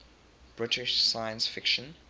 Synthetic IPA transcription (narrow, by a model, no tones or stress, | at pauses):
b̥ɹɪtɪʃsajə̃nsfɪkʃə̃n